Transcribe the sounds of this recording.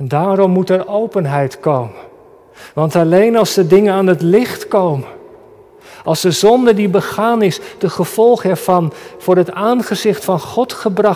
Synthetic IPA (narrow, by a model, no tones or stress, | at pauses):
ɛndaːɾɔmːutɛɹʔowpənɦɛjtkowmən | ʋɑntɑlejnɑlˠzdədɪŋənaːnɦətlɪχtkowmən | ɑlˠzdəzɔndədibəχaːnɪsd̥əχəv̥ɔlˠχəɛɹvɑnv̥ʊːɹɦətaːnχəzɪχtfɑnχɔtχəbrɑ